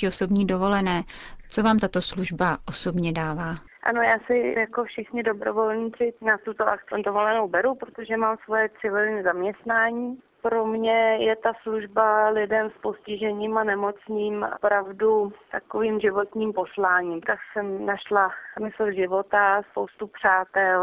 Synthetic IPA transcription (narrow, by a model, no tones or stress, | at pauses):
ioso̞bɲiːdo̞vo̞lɛnɛːt͡so̞vaːmt̪at̪o̞sluʒbaʔo̞so̞bɲɛdaːvaː | ʔa̰no̞jaːsɪjakofʃɪxɲɪdo̞bɾo̰vo̞lɲiːt͡sɪnat̪ut̪oʔak̚t͡sɪɪdovo̞lɛnowbɛɾupɾot̪oʒɛmaːmsvo̞jɛt̪sɪvɪlɲiːzamɲɛst̪naːɲiː | pɾo̞mɲɛjɛt̪asluʒbalɪdɛmspo̞scɪʒɛɲiːmanɛmo̞t͡sniːmpɾavdut̪akoviːmʒɪvo̞t̪ɲiːmposlaːɲiːmt̪aksɛmnaʃlasmɪsl̩ʒɪvo̞t̪aspowst̪upr̝̥aːt̪ɛl